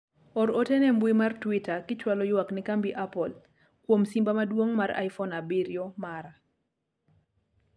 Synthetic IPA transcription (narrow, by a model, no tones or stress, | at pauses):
ɔɾotɛnɛmbwimartwitakɪt͡ʃwalɔjwaknɪkambiʔapɔl | kwomsimbamadwoŋmaɾa̰jfɔnabiɾjɔmaɾa